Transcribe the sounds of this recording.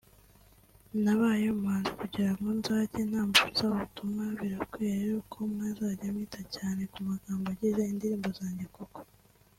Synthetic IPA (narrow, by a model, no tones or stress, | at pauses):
naβajomaːnzikuɟiɾamɡonzacen̥haːmbuzaβutumŋaβiɾakwiːɾeɾukʰomŋazaɟamiːtacaːne̞kumaɡaːmboɟiʒeindiɾiːmbo̞zaːɲɟekoko̥